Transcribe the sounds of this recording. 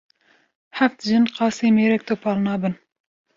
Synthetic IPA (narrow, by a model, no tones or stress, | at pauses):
ħaft̪ʒɨnqɑːseːmeːɾɛk̚t̪oːpʰɑːlnɑːbɨn